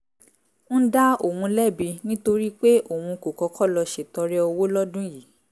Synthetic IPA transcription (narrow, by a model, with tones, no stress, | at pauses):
ñ̩˦da˦o˨wũ˧lɛ˦˨bi˧nĩ˦to˧ɾi˦k͡pe˦o˦˨wũ˧ko˨kɔ˧˦kʰɔ˦˨lɔ˧ʃe˨tɔ˧ɾɛ˦ɔ˧wo˦lɔ˦dũ˦ji˨˦